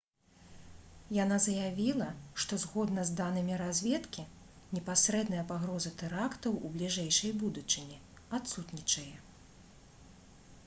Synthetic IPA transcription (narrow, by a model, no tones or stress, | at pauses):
janazɐjavʲilˠɐʂt̪ɔzɣɔd̪nɐzd̪anɨmʲiɾazʲvʲɛt̪kʲi | nʲɛpasɾɛd̪nɐjɐpaɣɾɔzɐt̪ɛɾakt̪ɐwʔublʲiʐɛjʂɐjbud̪ut͡ʂɨnʲi | at̪sut̪nʲit͡ʂɐjɛ